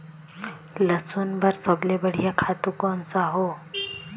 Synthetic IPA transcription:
ləsunbəɾsəblebəɽ̤ijakʰat̪ukɔnsaɦo

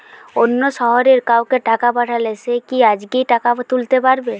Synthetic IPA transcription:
onːoʃɔɦɔɾeɾkawkeʈakapaʈʰalesekiad͡ʒɡiʈakat̪ult̪epaɾbe

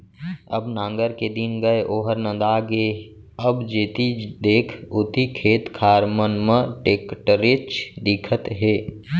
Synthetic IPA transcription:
ə̰bnãːŋɡəɾked̪ɪnɡəeʔoːɦəɾnə̃nd̪aːɡe | əbd͡ʒeːt̪id̪eːkʰʊt̪ikʰeːt̪kʰaːɾmənmə̃ʈeːkʈɾɪt͡ʃd̪ɪkʰət̪ɦeː

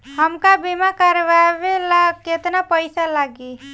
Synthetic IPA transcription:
ɦəmkabimakəɾʋaʋelaket̪napəjsalaɡi

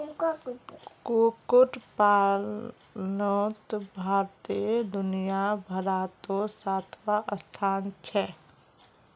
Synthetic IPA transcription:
kokʊʈpaː | noːt̪bʱaːɾt̪id̪ʊnijabʱəɾaːt̪osaːt̪ʰʋaʔəst̪ʰaːnt͡ʃʰɛ

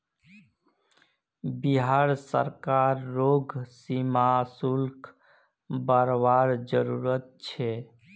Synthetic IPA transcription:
biɦaɾsə̰ɾkaːɾːoːɡsimasulkʰ | bəɾbaːɾd͡ʒəɾuːɾət̪̚t͡ʃʰe

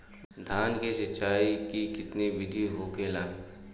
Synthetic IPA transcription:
d̪ʱaːnkeʃɐt͡ʃːaːikikɪt̪niʋɪd̪ʱiɦoːkeːlaː

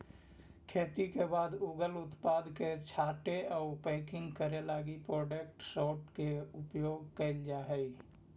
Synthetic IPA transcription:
kʰeːt̪ikebaːd̪uɡəlʊt̪paːd̪ket͡ʃʰaːʈeɔːpə̃ɪkɪ̃ŋɡkəɾelaːɡipɾɔːɖək̚ʈsɔːʈkeʊpjoːɡkəɪld͡ʒaːɦəi

